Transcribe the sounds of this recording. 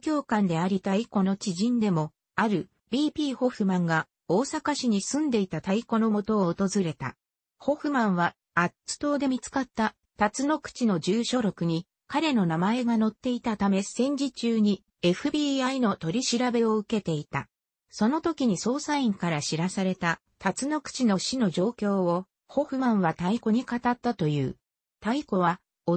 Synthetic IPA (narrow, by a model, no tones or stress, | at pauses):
kʲo̞ːkãnd̪e̞aɾʲit̪aiko̞no̞t͡ɕiʑĩnd̪e̞mo̞ | aɾɯ̟ | bʲiːpʲiːho̞ɸɯ̟mãŋɡa | o̞ːsakaɕiɲ̟isɨ̃nd̪e̞it̪at̪aiko̞no̞mo̞t̪o̞ːt̪o̞zɨɾe̞t̪a̰ | ho̞ɸɯ̟mãɰ̃βaː | t͡sɨ̥t̪o̞ːd̪e̞mʲit͡sɨ̥kat̪ːa | t̪at͡sɨno̞kɯ̥t͡ɕino̞d͡ʑɨːɕo̞ɾo̞kɯ̟ɲ̟i | kaɾe̞no̞namae̞ɡano̞t̪ːe̞it̪at̪ame̞sẽ̞ɲ̟d͡ʑit͡ɕɨːɲ̟i | e̞ɸɯ̟bʲiːaino̞t̪o̞ɾʲiɕiɾabe̞o̞ɯ̟ke̞t̪e̞it̪a̰ | so̞no̞t̪o̞kʲiɲ̟iso̞ːsaĩŋkaɾaɕiɾasaɾe̞t̪a | t̪at͡sɨno̞kɯ̥t͡ɕinoɕino̞ʑo̞ːkʲo̞ːo | ho̞ɸɯ̟mãɰ̃βat̪aiko̞ɲ̟ikat̪at̪ːat̪o̞jɯ̟̰ː | t̪aiko̞βa | o